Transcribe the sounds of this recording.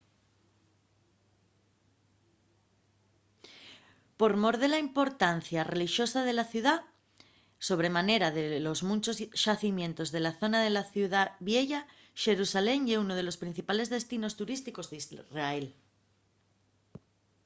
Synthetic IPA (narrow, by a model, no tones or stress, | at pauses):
po̞ɾmo̞ɾðe̞laimpo̞ɾt̪anθjare̞liʃjo̞sað̞e̞laθjuð̞a | so̞β̞ɾe̞mane̞ɾaðelo̞zmũnt͡ʃosʃaθimje̞nt̪o̞zð̞e̞laθo̞naðelaθjuðaβje̞ʝa | ʃe̞ɾusale̞ŋeunoð̞e̞lo̞spɾin̟θipale̞zð̞e̞st̪ino̞st̪uɾist̪iko̞zðizrael